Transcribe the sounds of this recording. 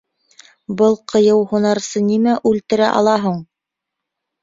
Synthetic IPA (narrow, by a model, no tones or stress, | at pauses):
bɤlˠqʰɤ̆jɤwhunɑɾsɤnimæʔʉlt̪ɘ̆ɾæʔɑ̰lˠɑɦuɴ